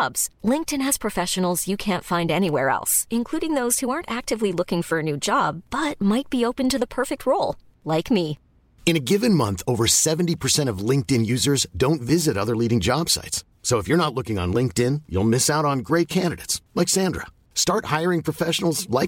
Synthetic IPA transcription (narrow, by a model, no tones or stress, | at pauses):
bz̥lɪ̃ŋk̚tɨ̃nɨz̥pʰɹ̥ɨfɛʃɨn̩l̩ˠzjɨkʰæ̃ntfãɪ̃ndɛñiwɛɹɛ̰lˠsɨ̃nkʰl̥uɾɪ̃ŋðoʊz̥huɑɹntæk̚tɨvlilʊkɪ̃ŋfə˞ɨnʉd͡ʒɑb̥ːʌt̚maɪt̚b̥ioʊpɨ̃ntɨðəpʰɜ˞fɨk̚t̚ʰɹoʊlˠ | laɪkmi | ɨ̃ñɨɡɪvɨ̃nmʌ̃nθoʊvə˞sɛvntipʰə˞sɛ̃ɾ̃ʌvlɪ̃ŋk̚tɨ̃njʉzə˞zdõʊ̃ntvɪzɨɾʌðə˞liɾɪ̃ŋd͡ʒɑb̥sa̰ɪtsː | oʊəfjə˞ñətˡlʊkɪ̃ŋə̰̃nlɪ̃ŋk̚tɪ̃njṵlˠmɪsaʊɾn̩ɡɹeɪt̚kʰæ̃ndɨɾeɪtslaɪksæ̃ndɹə̰ | stɑɹt̚haɪə˞ɪ̃ŋpʰɹ̥ɔfɛʃn̩l̩ˠzlaɪk